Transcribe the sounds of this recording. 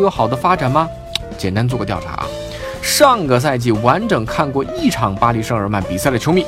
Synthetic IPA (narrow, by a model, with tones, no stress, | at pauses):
jwɔ˧˥xɑ˨˩ʊd̪ə˦fa˥ʈ͡ʂa˨˩nmɐ˧ | t͡ɕjɛ˨˩nt̪a˥nt͡s̬wɔ˥˧˩kə˧t̪jɑ˥˩ʊʈ͡ʂʰa̰˧˥ʔɐ̰˧ | ʂɑ˥˩ŋɡə˩s̬a˥˧ɪt͡ɕi˥˩wa˧˥nʈ͡ʂɤ˨˩ŋkʰa˥˧nkwɔ˥˧ʔi˥˩ʈ͡ʂʰɑ˧˥ŋpa˥li˧˥ʂɤ˥˩ŋə˞˧˥ma˧˥˩npi˨˩sa˥˩d̪ə˩t͡ɕʰo˧˥ʊmi˨˧˩